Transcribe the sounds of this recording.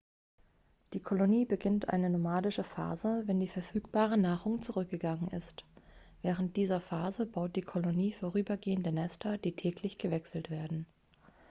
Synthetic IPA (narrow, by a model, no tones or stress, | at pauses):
d̥iːkʰoloniːbəɡɪntʔa̰ɪnənomaːdɪʃəfa̰ːzəvɛndiːfɛɐfyːk̚b̥aːʁ̞ənaːʁʊŋt͡suʁʏk̚ɡ̥əɡaŋənɪ̰stv̥ɛːʁ̞ənt̚d̥iːzɐfaːzəbaʊt̚d̥iːkʰoloniːfoʁ̞yːbɐɡeːəndənɛstʰɐd̥iːtʰɛːklɪçɡ̥əvɛksl̩tv̥eːɐdn̩